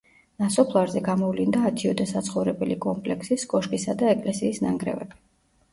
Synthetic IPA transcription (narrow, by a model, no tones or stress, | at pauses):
nasɔpʰlˠaɾzɛɡamɔvlind̪aːt̪ʰiɔd̪ɛsat̪sʰχɔvɾɛbɛlikʼɔmpʼlɛksiskʼɔʃkʼisad̪aɛkʼlɛsiːsnaŋɡɾɛ̰vɛ̰bi